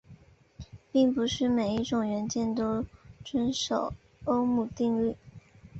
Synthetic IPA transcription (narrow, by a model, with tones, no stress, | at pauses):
pi˥˩ŋpu˧˥ʂɻ̩˥˩me˨˩ɪi˥˩ʈ͡ʂʊ˨˩ŋɥɛ˧˥nt͡ɕjɛ˥˩nt̪o˥ʊʈ͡ʂwə˥nʂo˨˩˦ʊ | o˥ʊmu˨˩t̪i˥˧ŋly˥˩